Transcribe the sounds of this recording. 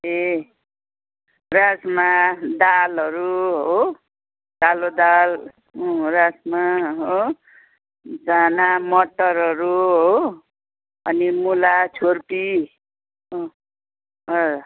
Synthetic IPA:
e | rasmad̪alɦʌɾuɦo | talod̪al | rasmaɦo | d͡zanamʌʈːʌɾɦʌɾuɦo | ʌnimulat͡sʰorpi | ɦo | ʌ

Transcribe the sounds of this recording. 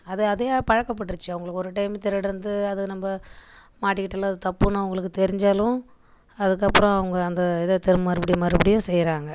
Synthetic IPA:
ɐðɯɐðeːpɐɻɐkːɐp̬ːɐʈːɯɾɯt͡ʃːɯɐʋɐŋɡɐɭɯkːɯɔɾɯʈɐɪmt̪ːɛɾɐɽɐɾɯnd̪ɯɐðɯːnɐmbɐmaːʈːɪkːɪʈːɐlːãɐðɯt̪ɐpːɯnːɯɐʋʊŋɡɐɭɯkːɯt̪ɛɾɪɲd͡ʒalʊ̃ | ɐðɯkːɐpːɯɾɔ̃ɐʋɐŋɡɐɐnd̪ɐɛðɐt̪ɛɾɯmmɐɾɯbɐɽɪmɐɾɯbɐɽɪjʊ̃sɛjɾaːŋɡɐ

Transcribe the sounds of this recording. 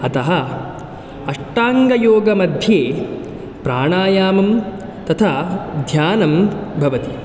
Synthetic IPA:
ɐt̪ɐɦɐ | ɐʂʈaːŋɡɐjoːɡɐmɐd̪ʱjeː | pɾaːɳaːjaːmɐm | t̪ɐt̪ʰad̪ʱjaːnɐmbʱɐʋɐt̪i

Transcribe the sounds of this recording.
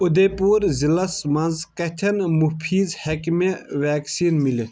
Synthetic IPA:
ud̪epuːɾzilɐsmɐnzkɐt̪ʰɐnmupʰiːzhekmeʋaːksiːnmili

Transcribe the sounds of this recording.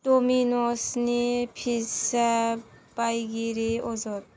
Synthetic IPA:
d̥ominɔsnipʰisab̥ajɡiɾeɔzɔɾ̚

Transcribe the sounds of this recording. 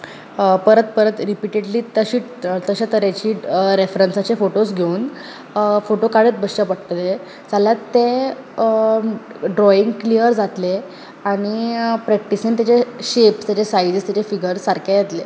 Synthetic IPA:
pəɾət̪̚pəɾət̪ɾipiʈeɽliːt̪əɕiː | t̪əɕat̪əɾjat͡ɕiːɾefɾənsat͡ɕefoʈosɡʱeun | foʈokaɽet̪̚bəsɕapəɽt̪le | d͡zaljat̪ːe | ɖɾɔĩŋɡklijəɾd͡zat̪le | aɽ̃ipɾɛk̚ʈisənt̪̬jat͡ɕeɕepst̪jat͡ɕesaid͡zist̪jat͡ɕefiɡəɾsaɾkjajet̪le

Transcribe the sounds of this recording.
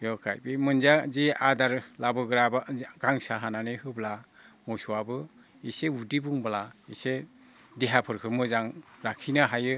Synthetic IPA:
jɔkʰa̰jbimɯnzaziadaɾlabɯɡɯɾabaɡ̥aŋsaɦananihɯbla | mɔsuwabɯ | iseudibuŋbalaise | diɦapʰɯɾkʰɯmɯzaŋɾakʰinɯɦajɯ

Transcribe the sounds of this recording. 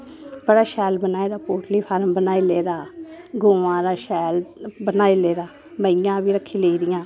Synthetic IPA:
bəɽaːʃɛːlbənaːeːd̪aːpoːʈliːpʰəɾmbənaːiːleːd̪aːɡõːʋãːɾaːʃɛːlbənaːiːleːd̪aː | məɪjãːbiːɾəkʰːiːleiːɾɪjãː

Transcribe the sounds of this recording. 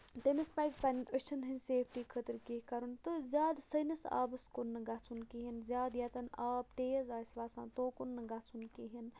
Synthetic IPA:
t̪emispaːzpɐniʔət͡ʃʰɐnɦinʲseːpʰʈiːkʰət̪ɨɾkikɐɾunt̪ɨzʲjaːd̪sɐnɐsa̰ːbɐskonːɨɡat͡sʰunkiɦinzʲaːd̪jat̪ɐnaːb̚t̪eːjɐzaːsʲʋaːsã̰ːt̪oːkunːɨɡat͡sʰunkiɦin

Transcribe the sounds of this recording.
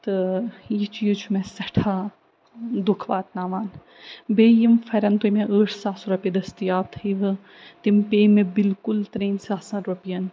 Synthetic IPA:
t̪ɨjit͡ʃijut͡ʃʰumẽsɐʈʰaː | d̪ukʰʋaːt̪naːʋaːn | beːjimfʰɐɾɐnt̪ujmeʔəːʈʰsaːsuɾɐpid̪ɐst̪ijaːt̪ʰiʋɨ | t̪impeːmẽbilkʊlt̪ɾiːnsaːsɐ̃ɾupijɐn

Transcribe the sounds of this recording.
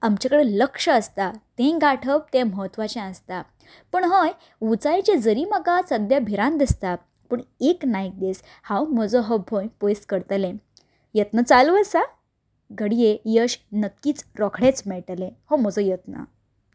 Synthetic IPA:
amt͡ɕakəɽeləkʂəːst̪at̪ẽɡaʈʰəp̚t̪ẽməɦt̪ʋat͡ɕãə̃st̪a | pəɳɦəj | ʋut͡sajt͡ɕed͡zəɾiːməɡasəd̪jabʱiɾãnd̪ist̪a | pəɳeknajk̚d̪es | hãwm̤əd͡zɔɦəbʱõjpojskəɾt̪lẽ | jət̪nət͡saluʋəsa | ɡəɽijejəɕnəkːiːt͡sɾɔkʰɽet͡smɛɭʈlẽhɔm̤əd͡zɔjət̪nə̰

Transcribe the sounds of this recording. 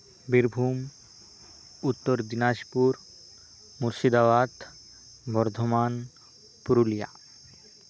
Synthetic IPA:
biɾbʱum | ut̪ːoɾd̪inaʃpuɾ | muɾʃid̪aʋad̪ | bɔɾd̪ʱoman | puɾulija̰

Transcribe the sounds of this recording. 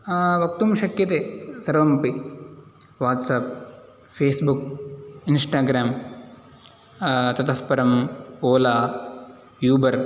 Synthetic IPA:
ʋɐk̚t̪umʃɐkjɐt̪eːsɐɾʋɐmpi | ʋaːt̪saːp̚ | fʰeːsbukinsʈaːɡɾaːm | t̪ɐt̪ʰɐfpɐɾɐmoːlaː | juːbɐɾ

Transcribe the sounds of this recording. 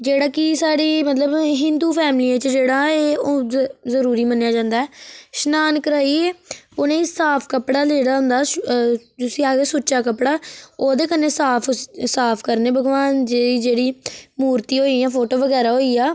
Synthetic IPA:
d͡ʒeːɽaːkɪsaːɽiːmət̪ləbɦɪnd̪uːpʰɛːmliãːt͡ʃəd͡ʒeːɽaːeːoːzəɾuːɾiːmənːjaːd͡ʒãːnd̪aːɛːʃnaːnkəɾaːieːonẽːsaːpʰkəpɽaːleːɽaːɦʊ̃nd̪aː | d͡ʒʊsiːaːɡesuːt͡ʃaːkəpɽaːoːd̪eːkənːeːsaːpʰsaːpʰkəɾneːbəɡʋaːnd͡ʒeiːd͡ʒeːɽiːmuːɾt̪iːɦoːiːãːpʰoːʈoːʋəɡɛːɾaːɦoːiːaː

